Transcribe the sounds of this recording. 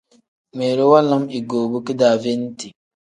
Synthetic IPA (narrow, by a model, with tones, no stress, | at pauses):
me˨ɾo˦wa˦la˦mi˨ɡoː˨bu˦ki˦daː˨ve˦n˦ti˨